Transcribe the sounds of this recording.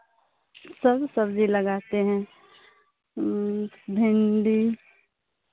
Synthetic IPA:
səbsəbd͡ʒʱiləɡaːt̪eɦɛ̃ | bʱɪ̃nɖi

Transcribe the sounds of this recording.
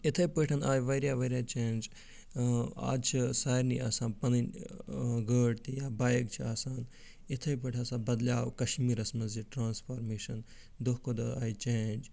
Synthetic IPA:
ɪt̪ʰɐjpəːʈʰɐnaːjʋɐɾjaːʋɐɾjaːt͡ʃeːnd͡ʒ | a̰ːd̪t͡ʃʰisaːɾnḭa̰ːsaːnpɐnɐn | ɡəːɖt̪ijaːbaːjk̚t͡ʃʰiaːsaːn | ɪt̪ʰɐjp̬ɐːʈʰaːsãːbɐd̪ljaːwkɐʃmiːɾɐsmɐziʈɾaːnspʰaːɾmeːʃɐn | d̪oɦkod̪ɐaːjt͡ʃeːnd͡ʒ

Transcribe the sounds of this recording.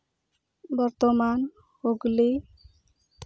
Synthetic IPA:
bɔɾt̪ɔman | hoɡle

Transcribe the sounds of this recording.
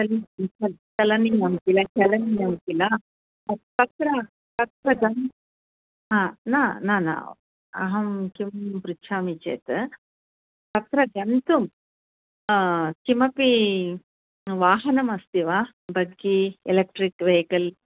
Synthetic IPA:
t͡ʃɐlit͡ʃɐt͡ʃɐlɐninɐmkilɐt͡ʃɐlɐninɐmkilɐ | pɐt̪ɾɐ | pɐt̪ɾɐɡɐnt̪ | ɦãːnaːnaːna̰ː | ɐ̰ɦɐmkimpɾut͡ʃʰaːmit͡ʃḛːt̪ɨ | pɐt̪ɾɐɡɐnt̪um | kimɐpi | ʋaːɦɐnɐmɐst̪iʋaː | bɐɡːielek̚ʈɾikʋejkɐl

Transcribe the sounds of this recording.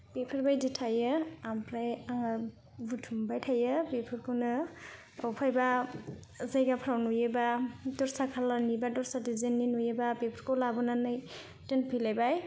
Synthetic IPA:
pepʰɯɾbajditʰajɯampʰɾajaŋa | butʰumbajtʰajɯpepʰɯɾkʰɯwnɯ | awpʰajba | zajɡapʰɾawnujebadɔɾsakʰalanibadɔɾsadizenːinujebabepʰɯɾkʰowlabɔnanɯj | tɯnpʰilajbaj

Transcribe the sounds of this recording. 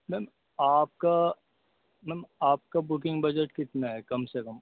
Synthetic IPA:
mɛm | aːp̚ka | mɛmaːp̚kabʊkɪ̃ŋɡbɐd͡ʒəʈkɪt̪naɦɛkɐmsekɐm

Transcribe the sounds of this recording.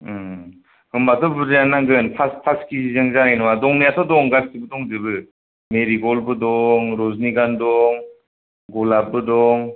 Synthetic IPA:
hɯmbatʰɔbɯɾɯjanaŋɡɯnpʰaspʰaskizizɯŋzanajnɯwadɔŋnijatʰɔdɔŋɡastibɯdɔŋzɯbɯ | meɾiɡɔlbɯdɔŋɾɔzniɡandɔŋ | ɡɔlabɯdɔŋ

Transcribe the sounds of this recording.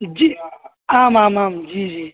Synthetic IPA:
d͡ʒi | amamamd͡ʒid͡ʒe

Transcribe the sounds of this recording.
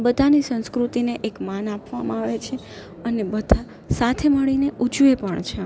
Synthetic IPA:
bəd̪ʱanisə̃nskɾut̪ineʔekmanapʋamã̰aʋet͡ʃʰe | ənebəd̪ʱa | sat̪ʰeməɭineʔud͡ʒʋepəɳt͡ʃʰe

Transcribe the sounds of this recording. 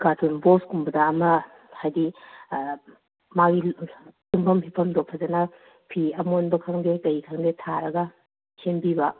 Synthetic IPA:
ɡ̥atʰunboskumbɐdɐːmɐ | hajdi | maɡitumpʰɐmhʰipʰɐmdopʰːɐzɐnɐ | pʰiɐmonbɐkʰɐŋdekɐjikʰɐŋdetʰaɾɐɡɐ | senbibɐ

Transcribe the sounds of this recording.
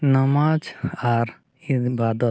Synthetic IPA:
nəmad͡ʒaɾ | ibad̪ət̪

